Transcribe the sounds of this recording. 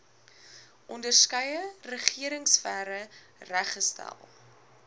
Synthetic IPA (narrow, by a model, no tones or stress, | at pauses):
ʔɔndərskəjərəχiəɾəŋsfæɾə | ræχəstæ̰lˠ